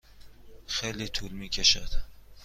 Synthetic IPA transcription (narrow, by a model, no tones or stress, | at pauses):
xejlit̪ʰulmiːcʰeʃæd̪̥